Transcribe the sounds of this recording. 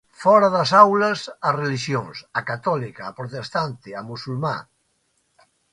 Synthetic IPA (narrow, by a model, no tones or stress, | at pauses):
fɔɾɐðɐsawlɐsɐreliʃjoŋsakat̪ɔlikaːpɾot̪est̪ant̪ɪamusulma̰